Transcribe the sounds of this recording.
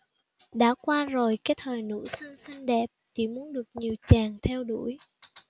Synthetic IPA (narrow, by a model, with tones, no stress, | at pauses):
ɗa̰ː˧˥kwaː˧zo˨˩jkaː˨˦˥jt̪ʰəː˨˩jnṵ˧˥sə˧nsi˧ŋ̟ɗɛ˨˩p̚t͡ɕḭ˧˩mu˨˦ənɗɨ˨˩ək̚ɲi˨˩əwt͡ɕaː˨˩ŋt̪ʰɛ˧wɗu˧˩˥j